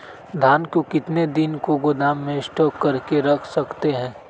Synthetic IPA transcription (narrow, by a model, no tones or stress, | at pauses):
d̪ʱaːnkokɪt̪ned̪ɪnkoɡʊd̪aːmːẽsʈɔːkːɐɾkeɾɐkʰsɐkt̪eɦɛ̃ː